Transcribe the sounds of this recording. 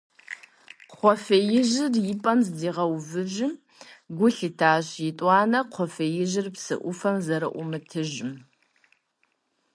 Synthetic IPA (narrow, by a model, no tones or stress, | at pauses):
qʷɔfɐjɪʑɪrjɪpʼɐmzdiːʁɐwvɨʑɪm | ɡʷʊɬɨtʰaːɕjɪtʼʷɑːnɐqʷʰɔfɐjɪʑɪrpsɨ̰ʔʷʊfɐmzɐɾɨ̰ʔʷʊmɨtʰɨʒɪm